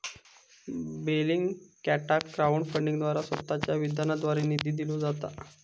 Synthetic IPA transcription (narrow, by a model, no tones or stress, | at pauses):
beliŋɡkæʈakːɾauɳfəɳɖiŋɡd̪ʋaɾasət̪ːat͡ɕjaʋid̪janad̪ʋaɾinid̪iːd̪ilud͡zat̪a̰